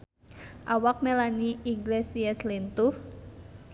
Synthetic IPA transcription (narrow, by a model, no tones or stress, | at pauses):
ʔawak̚melaniiŋɡlesiɛslint̪uh